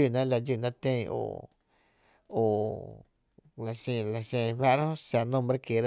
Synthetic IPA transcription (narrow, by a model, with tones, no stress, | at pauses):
u˧˨nã˦la˧juː˦˧˨nã˦t̪ẽ˧˨˧o̰˨ | o˨ | la˨sẽ˧˨la˨ʃẽ˧˨˧βa˦ʔɾhõ˦ʃa˧nõ˦˧mbɾe˦ke˨ɾa˦